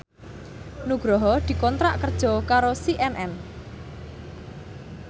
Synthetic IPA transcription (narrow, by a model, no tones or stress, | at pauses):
nuɡ̥ɾɔɦɔd̪̥i̤kɔnt̪ɾaʔkərd̥ʒ̥ɔ̤kaɾosiʔɛnʔɛn